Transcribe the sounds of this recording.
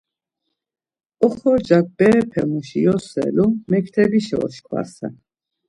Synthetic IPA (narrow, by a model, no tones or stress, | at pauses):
ɔχɔd͡ʒak̚bɛːpʰɛmuʃijɔsɛ̰lumɛkʰt̪ʰɛbiʃɛɔʃkʰva̰ɾsɛ̰